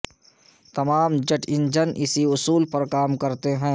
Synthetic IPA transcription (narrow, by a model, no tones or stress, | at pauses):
t̪ɐmaːmd͡ʒɐʈʰɪ̃nd͡ʒənʔɪsiʊsuːlpɐɾkaːmkɐɾt̪eɦɛ̃ː